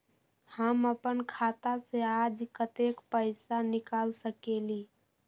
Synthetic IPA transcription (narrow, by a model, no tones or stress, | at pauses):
həməpənkʰat̪asead͡ʒkət̪ekpəɪsanikalsəkeli